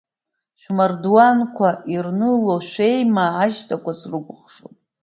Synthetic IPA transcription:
ʃʷᶣmardwankʷʰaʔirnɨloʃᶣʷe̞jmaːʃtʰʼakʷʰasrɨɡʷʼʊχʂo̰pʼ

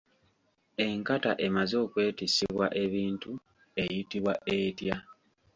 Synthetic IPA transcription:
e̞ŋkataʔe̞mazo̞ːkwe̞ːtisiβwaʔe̞βiːntu | e̞jitiβwaʔe̞tja

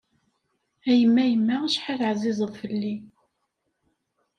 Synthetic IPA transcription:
æjəmːæjəmːaʁʃħaθʕzɪzˤəðˤfəlːi

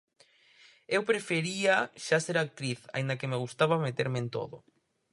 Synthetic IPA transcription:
ewpɾefeɾiaʃaseɾak̚t̪ɾiθa̰ĩnd̪akemeɣ̞ust̪aβamet̪eɾment̪o̰ðʊ

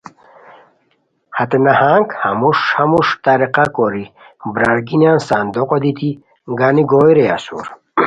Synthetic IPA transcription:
hat̪enahaŋkhamuʂhamuʂt̪aɾiqakɔɾi | bɾaɾɡinansand̪ɔqɔd̪it̪i | ɡaniɡojɾeasṵɾ

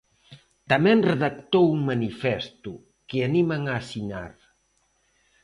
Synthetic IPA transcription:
t̪amenreðak̚t̪owuŋmanifɛst̪u | keanimaŋaːsina̰ɾ

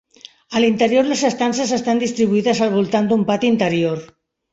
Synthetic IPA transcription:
əlint̪əɾjoɾləsest̪ansəsest̪and̪ist̪ɾiβuiðəzalβ̞ulˠt̪and̪umpat̪int̪əɾjoɾ

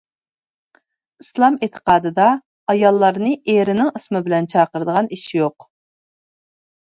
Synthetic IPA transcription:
islˠɑmet̪ʰə̥qɑːd̪ɨd̪ɑ | ɑjɑlˠːɑɾnɨʔeɾɪnɪŋəsmɪbɪlɛnt͡ʃʰɑːqəɾd̪əʁɑniʃijoq

